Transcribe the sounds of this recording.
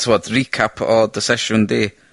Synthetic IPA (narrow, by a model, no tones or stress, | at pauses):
tʰuwɔdrikʰapʰɔdəsɛʃʊndiː